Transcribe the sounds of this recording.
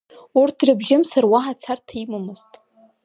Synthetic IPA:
urtʰrɨbʒɪmsarwaɦat͡sʰartʰaimɨmɨztʼ

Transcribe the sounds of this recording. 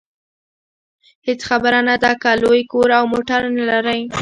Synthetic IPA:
het͡sxabəɾanad̪akalojkoɾawmoʈaɾnalaɾaj

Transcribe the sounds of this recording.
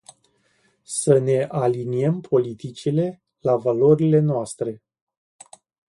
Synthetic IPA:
səne̞ʔaliniempʰo̞lit̪it͡ʃile̞ | lavalo̞ɾile̞noast̪ɾe̞

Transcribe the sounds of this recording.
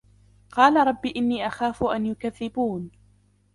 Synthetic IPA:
qɑːlaɾˤɑbːiːʔɪnːiːʔaxaːfʊʔanjʊkaðːɪbuːn

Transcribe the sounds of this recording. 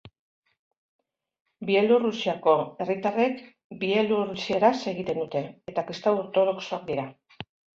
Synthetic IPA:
bie̞lurusiako̞e̞rit̪are̞k | bie̞lurusie̞ɾase̞ɣit̪e̞nd̪ut̪e̞ːt̪akɾist̪awoɾt̪o̞ðo̞kso̞ak̚d̪iɾa

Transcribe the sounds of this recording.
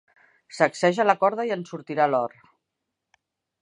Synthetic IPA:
səksɛʒələkɔɾð̞əiənsuɾt̪iɾalɔɾ

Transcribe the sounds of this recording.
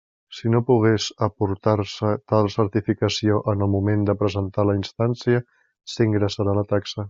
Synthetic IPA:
sinopuɣ̞esəpuɾt̪aɾsət̪alˠsəɾt̪ifikəsioʔənəlˠmumend̪əpɾəzənt̪aləinst̪ansiə | siŋɡɾəsəɾalət̪aksə

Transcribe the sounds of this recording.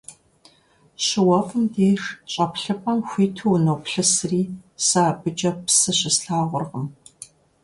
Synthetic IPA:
ɕɪwɐfɨmdeːʂɕʼɐpɬɨpʼɐmxʷiːtʰuwnoːpɬɨsriːsaːbɨd͡ʒɐpsɨɕɪsɬaːʁʷʊrʁəm

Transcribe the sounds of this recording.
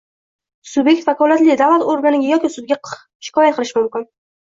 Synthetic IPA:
sʊbje̞k̚ʲt̪vakɒlat̪lɪd̪avlat̪oɾɡanɪɡʲajɒkʲɪsʊd̪̚ɡʲa | ʃɪ̥kʰɒjat̪̚qʰɨlˠɪʃɪmʊmkʲɪn

